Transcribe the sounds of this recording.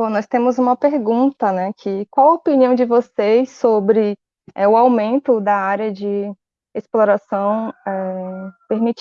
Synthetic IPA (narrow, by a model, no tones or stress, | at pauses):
b̥õnɔjst̪ẽmʊzũmɐpeɾɡũnt̪ɐnɛkʰɪkwawɐopinĩw̃d͡ʒɪvosejsobɾɪ | ɛ̰ʊawmẽnt̪ʊd̪ɐaɾjɐd͡ʒɪ | esploɾasɐ̃w̃ɛpeɾmit͡ʃ